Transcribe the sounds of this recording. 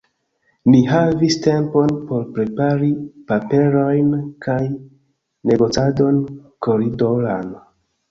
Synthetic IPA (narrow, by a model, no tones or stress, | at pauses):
miɦaviste̞mpo̞npo̞ɾpɾe̞paɾipape̞ɾo̞jnkʰaj | ne̞ɡo̞t͡sado̞nkoɾidolan